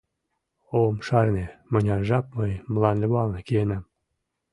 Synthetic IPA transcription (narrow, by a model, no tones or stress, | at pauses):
omʃɑrnemə̆nʲɑʒɑp̚məjməlɑnlʲɘβɑlnekienæm